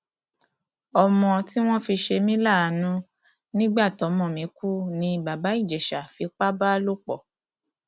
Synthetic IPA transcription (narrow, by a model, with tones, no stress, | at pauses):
ɔ˧mɔ̃˧ti˦w̃ɔ̃˦fi˧ʃe˧mĩ˦la˦˨a˨nũ˦ | nĩ˦ɡ͡ba˦˨tɔ˨˦mɔ̃˧˨mĩ˨˦ku˦nĩ˧ba˨ba˨˦i˦˨d͡ʒɛ˨ʃa˨fi˨˧k͡pa˦ba˦lo˦k͡pɔ˦˨